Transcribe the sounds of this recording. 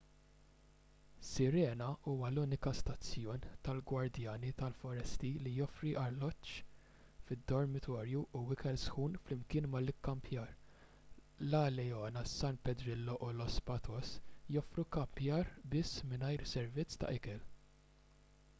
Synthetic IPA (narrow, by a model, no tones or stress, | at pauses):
sɪɾɛːnɐuːwɐluːnɪkɐst̪ɐt͡sːjɔːnt̪ɐlɡwɐɾd̪jɐːnit̪ɐlfɔɾɛst̪ilijɔfɾiʔɐlːɔt͡ʃː | fɪd̪ːɔɾmɪt̪ʰɔːɾjuʔuwɪkɛlsxuːnflɪmkɪːnmɐlɪkːɐmpʰjɐːɾ | lɐlɛjɔːnɐsɐnpɛd̪ɾɪlːɔʔʊlɔspɐt̪ʰɔsjɔfɾukɐmpjɐːɾbɪsːmɪnɐjɾsɛɾvɪt͡sːt̪ɐ̰ʔɪkɛl